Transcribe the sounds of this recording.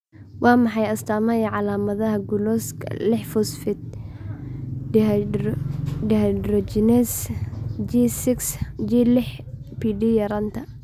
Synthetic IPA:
wʔɑːmɑħɑjɐst̪ʰaːmɐjɐʕɑlaːmɐðɐɦɐɡʊlɔskʰɐ̰lɪħfʊsfɪd̪̚ | dɛhdɾɔd͡ʒɪnɛs | d͡ʒisɪksd͡ʒiːlɪħ | piːɖijɐɾɐnt̪ʰɐ

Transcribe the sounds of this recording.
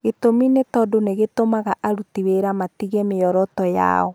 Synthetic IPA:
ɣetominetɔdoneɣetomaɣaʔaɾutiweɾamatiɣɛmejɔɾɔtɔja̰ɔ

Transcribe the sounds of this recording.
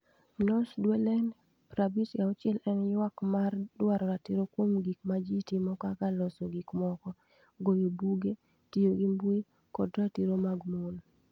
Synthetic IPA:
nɔsdwelɛn | pɾabitjaɔt͡ʃɪɛlʔɛnjwakmardwaɾɔɾatiɾokwomɡikmad͡ʒitimɔkɔakalɔsoɡikmɔkɔ | ɡojobuɡe | tijoɡimbwi | kɔdɾatiɾomaɡmol

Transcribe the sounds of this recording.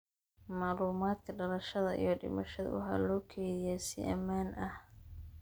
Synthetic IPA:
maːluːmaːd̪kʰɐɖɐlɐʃɐðɐʔḭjɞɖɪ̰mɐʃɐðɐ̰wʊɦa̰ːlɔːkʰɛːjɪjɛsɪ̰ʔɐ̰maːnʔɐh

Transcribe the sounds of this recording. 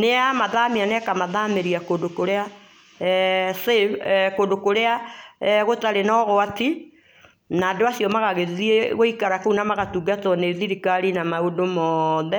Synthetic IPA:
neamaðamianɛkamaðameɾiakondokoɾea | sekondokoɾeaɣotaɾenɔɣoati | nadoasjɔmaɣaɣeðieɣoikaɾakounamaɣatuɡatɔneðiɾikaɾinamaodomɔðɛ

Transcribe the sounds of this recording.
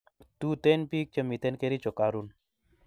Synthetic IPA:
t̪ut̪enpik̚t͡ʃəmit̪ɛnkeɾit͡ʃɔkaɾun

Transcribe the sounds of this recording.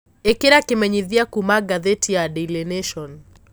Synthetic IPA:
ekiɾakimɛɲiðiakumaɡaðetʰiadɛleneʃɔn

